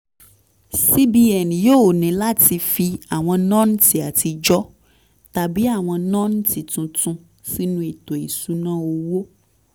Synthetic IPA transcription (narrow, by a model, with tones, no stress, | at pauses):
si˦bi˦ɛ˨njo˦wo˨nɛ̃˨la˦t̪i˧fi˦a˨w̃ɔ̃˧nɔ̃˦n˦ti˨a˨t̪i˨d͡ʒɔ˦ | t̪a˨bi˨˦a˨w̃ɔ̃˧nɔ̃˦ñ˦t̪i˨t̪ũ˨t̪ũ˦ | si˦nũ˦e˨t̪o˨e˨su˦nã˦wo˦wo˦